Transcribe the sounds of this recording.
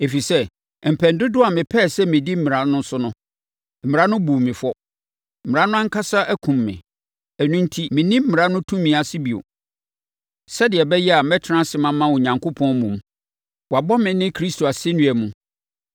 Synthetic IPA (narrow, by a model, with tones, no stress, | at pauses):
e˨fi˨sɛ˦ | m̩˨pʰɛ˨ndʊ˦dʊ˦a˨mɪ̃˨pʰɛː˦˨sɛ˦mɪ̃˨di˦m̩˦mɪ̃˨ɾã˨˦nʊ̃˦n̩˦sʊ˦nʊ̃˦ | m̩˨mɪ̃˨a˦nʊ̃˦bu˨mɪ̃˨fʊ˦ɔ˦ | m̩˨mɪ̃˨a˦nʊ̃˦a˦ŋ̩˦kʰa˦sa˦ʔæ˦kʰũ˨mːɪ̰̃˨ | æ˨nũ˦n̩˦tʰi˦mɪ̃˨nĩ˦m̩˦mɪ̃˨ɾa˦nʊ̃˦tʰũ˦mĩ˨a˨sɪ˦bi˨o̰˨ | sɛ˦dɪ˨ɛ˨bɛ˦jɛ˦a˨mɛ˦tʰɪ˨˦ã˦sɪ˨mã˦mːã˦o˨ɲã˨ŋkʰo˦pʰɔ̃˦nmũ˨m | wa˨bɔ˦mɪ̃˨nɪ̃˦kʰɾi˦stʰo˨a˨sɪ˦nũ˦æ˨mũ˦